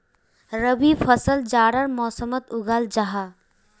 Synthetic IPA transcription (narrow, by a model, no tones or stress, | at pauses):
ɾəbifʰəsəld͡ʒaːɾəɾmɔːsəmət̪ʊɡaːld͡ʒaɦa